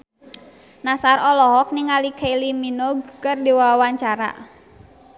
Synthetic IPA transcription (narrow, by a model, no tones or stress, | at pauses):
nasarɔlɔɦɔk̚niŋalikʰeiliminɔɡ̚kɨrdiwawaɲt͡ʃaɾa̰